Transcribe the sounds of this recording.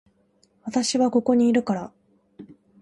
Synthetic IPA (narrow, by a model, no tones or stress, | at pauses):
βat̪aɕiβako̞ko̞ɲ̟iːɾɯ̟kaɾa